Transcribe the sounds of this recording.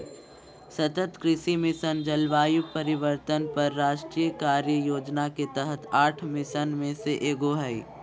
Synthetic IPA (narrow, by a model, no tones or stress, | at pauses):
sɐt̪ət̪kɾɪʃimɪsənd͡ʒəlʋaːjupɐɾɪʋəɾt̪ənpɐɾːaːʃʈɾiːjəkaːɾjəjoːd͡ʒnaket̪əɦət̪ʰaːʈʰmɪsənmẽseʔeːɡoɦəi